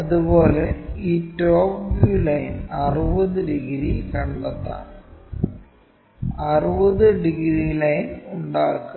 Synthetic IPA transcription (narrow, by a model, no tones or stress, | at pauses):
ɐðupo̞ːleiːtoːpulɐjnɐrubɐðɨɖiɣɾikɐɳɖɐt̪ːa̰ːɳ | ɐrubɐðɨɖiɡɾilɐjnuɳɖaːkːu